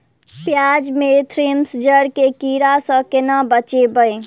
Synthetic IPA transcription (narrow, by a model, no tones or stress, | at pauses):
pjad͡ʒmet̪ʰɾemsd͡ʒəɽkekiɾasə̃kenabət͡ʃebəj